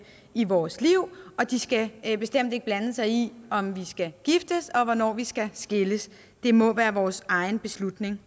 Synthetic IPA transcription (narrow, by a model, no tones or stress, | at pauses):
iʋɒːsliʊ̰ɒ̽d̥isɡ̥æb̥e̝sd̥em̰d̥e̝ɡ̥̚b̥lænəsɑ̈ɪiɒ̽mʋisɡ̥æɡ̥ifd̥əsɒ̽ʋɒnɒ̰ːʋisɡ̥æsɡ̥e̝ləs | d̥e̝mɒ̽ʋæːɐʋɒːsɑ̈ɪnb̥e̝slud̥ne̝ŋ